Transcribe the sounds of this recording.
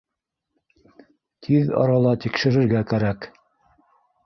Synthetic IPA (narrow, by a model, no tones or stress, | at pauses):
t̪ʰiðɑ̰ɾɑlˠɑt̪ikʃɘ̆ɾɘ̆ɾɡækæɾæk